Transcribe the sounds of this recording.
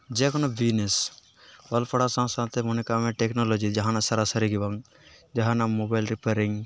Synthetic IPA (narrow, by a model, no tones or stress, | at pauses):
d͡ʒɛkɔnabʱines | ɐlpʰɐɽasãsãːt̪ʰemonikamẽʈeknolod͡ʒid͡ʒɐɦãnasɐɾasɐɾiɡibaŋ | d͡ʒɐɦãnamobajlɾipeɾiŋ